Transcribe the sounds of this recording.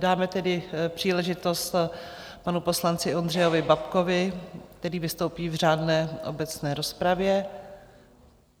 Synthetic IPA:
daːmɛt̪ɛdɪpr̝̥iːlɛʒɪt̪o̞st̪ | panupo̞slant͡sɪo̞ndrɛjovɪbapko̞vɪkt̪ɛɾiːvɪst̪o̞wpiːvr̝aːdnɛːʔo̰bɛt͡snɛːɾo̞spɾavjɛ

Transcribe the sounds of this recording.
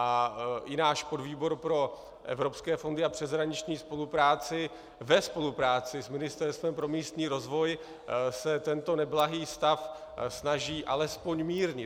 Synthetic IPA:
ʔaʔɪnaːʃpo̞dviːbo̞ɾpɾo̞ | ʔɛ̰vɾo̞pskɛːfo̞ndɪapr̝̥ɛzɦɾaɲɪt͡ʃɲiːspo̞lupɾaːt͡sɪ | vɛspo̞lupɾaːt͡sɪsmɪnɪst̪ɛɾst̪vɛmpɾo̞miːst̪ɲiːɾo̞zvo̞j | sɛt̪ɛnt̪o̞nɛblaɦiːst̪afsnaʒiːʔalɛspo̞ɲmiːɾɲɪ

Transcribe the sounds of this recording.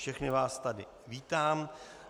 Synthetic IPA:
ʃɛxnɪvaːst̪adɪ | viːt̪aːm

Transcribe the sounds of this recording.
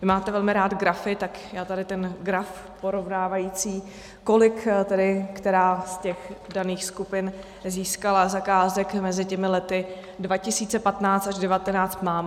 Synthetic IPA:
maːt̪ɛvɛlmɪɾaːd̪ɡɾafɪt̪akjaːt̪adɪt̪ɛnɡɾaf | poɾo̞vnaːvajiːt͡siː | ko̞lɪkt̪ɛdɪkt̪ɛɾaːscɛxdaniːxskupɪn | ziːskalazakaːzɛkmɛzɪcɛmɪlɛt̪ɪ | dvacɪsiːt͡sɛpat̪naːt͡st̪aʒdɛvat̪ɛnaːt͡st̪maːm

